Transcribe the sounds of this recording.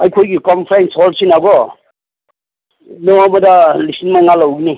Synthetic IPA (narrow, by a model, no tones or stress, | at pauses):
ajkʰojɡikɔmpʰɾajnsɔlsinaɡɔ | nɔmadalisinmaŋalawɡini